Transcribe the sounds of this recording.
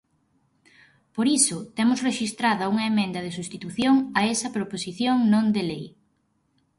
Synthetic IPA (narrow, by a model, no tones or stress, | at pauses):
poɾisʊt̪ɛmʊsreʃist̪ɾaðɐuŋɐemẽnd̪ɐð̞esust̪it̪uθjoŋɐɛsɐpɾoposiθjoŋnõnd̪elej